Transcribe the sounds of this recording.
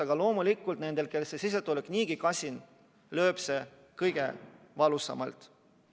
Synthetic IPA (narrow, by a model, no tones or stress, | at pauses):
ɑɡ̥ɑlo̞ːmulikːˑult̪ne̞nd̪̥e̞lke̞lsesis̬et̪ːˑulekniːɡ̥ikɑsʲin | lø̞ːpse̞ | kɤjɡ̥e̞̰ | vɑlusɑ̰mɑ̰lt̪